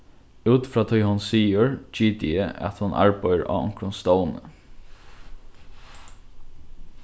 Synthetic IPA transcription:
ʉːt̪fɹɑːt̪ʰɔjhʊnsiːʊɹt͡ʃiːt̪əʔæ̰t̪hʊnʔa̰ɹpœjəɹa̰ːʊ̰ŋkɾʊnst̪ɔwnə

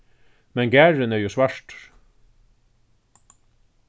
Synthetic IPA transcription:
mɛnɡæːɹənɛɹjʊsʋæʂʈ

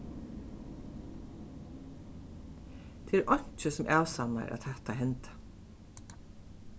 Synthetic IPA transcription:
t̪ʰɪlʔɑnt͡ʃəsɔm̩ʔæːʉsɑmɑ̰ɾʔɑ̰t̪hæt̪ɑhɛnt̪

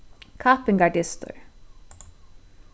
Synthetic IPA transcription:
kʰɑːpɪŋɡɑɖɪst̪ʊ̰ɹ

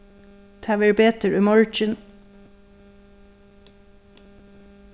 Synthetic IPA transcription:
t̪ʰæʋəɹbeːt̪ʰəɹʉmɔɹd͡ʒɪn

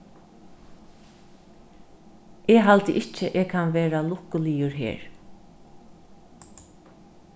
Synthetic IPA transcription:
eːɦalt̪əʔɪt͡ʃəʔeːkʰanʋeːɾalʊkʊlijʊɹɦḛːɹ

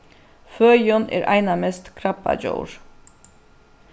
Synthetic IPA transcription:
føːjɔnʔḛːɾʔæɪnɑmɛst̪kʰɾɑpɑ̰d͡ʒo̰ːɹ

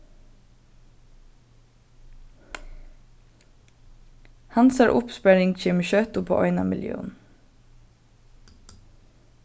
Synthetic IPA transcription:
hɑnsəɾʔʊpspæɾɪŋc͡çɪmʃøːt̪ʊpʰo̰ʔɔʏnɑ̰mɪljø̰ːn̩

